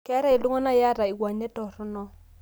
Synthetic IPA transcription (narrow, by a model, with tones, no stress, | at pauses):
kɛ˦ɾa˦ɪ˨lu˦ŋɔ˦na˦ja˦ɾa˨ɪ˨ɡwa˨ɲɛ˦tɔ˨ɾʊ˦nɔ˦